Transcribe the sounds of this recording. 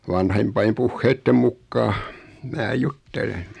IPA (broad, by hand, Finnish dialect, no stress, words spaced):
ʋɑnhempɑim puhːeitːem mukːɑː mæː jutːelen